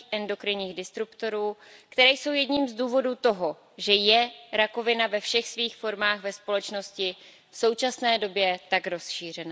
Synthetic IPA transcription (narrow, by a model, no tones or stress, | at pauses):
ʔɛndo̞kɾɪɲiːɣdɪst̪ɾupt̪o̞ɾuːkt̪ɛɾɛːjso̞wjɛdɲiːmzduːvo̞duːt̪o̞ɦo̞ | ʒɛjɛɾako̞vɪnavɛfʃɛxsviːxfo̞ɾmaːɣvɛspo̞lɛt͡ʃno̞scɪ | fso̞wt͡ʃasnɛːdo̞bjɛt̪akɾo̞sʃiːr̝ɛna